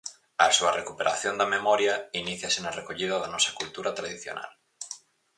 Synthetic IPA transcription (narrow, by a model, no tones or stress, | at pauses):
ɐsuɐrʔekupeɾʔa̰θjond̪ɐmemɔɾjɐiniθjɐsenɐrekoʎiðɐðɐnɔsɐ̥kult̪uɾɐt̪ɾaðiθjo̰nʔa̰l